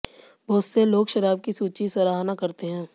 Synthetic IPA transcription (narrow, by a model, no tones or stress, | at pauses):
boːʊsseloːɡʃɐɾaːb̚kisuːt͡ʃisɐɾaːɦnakɐɾt̪eɦɛ̃ː